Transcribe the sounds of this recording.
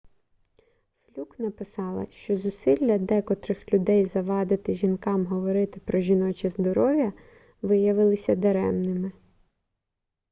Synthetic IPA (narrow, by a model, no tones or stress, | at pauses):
flʲuknɐpɪsɑlˠɐ̰ʃt͡ʃɔzʊsilʲːɐd̪ɛkɔt̪ɾɪxlʲʊd̪ɛjzɐʋɑd̪ɪt̪ɪʒinkɑmɦɔʋɔɾɪt̪ɪpɾɔʒʲinɔt͡ʃizd̪ɔɾɔʋʲjɐ | ʋɪjɐʋɪlˠɪsʲɐd̪ɐɾɛmnɪmɪ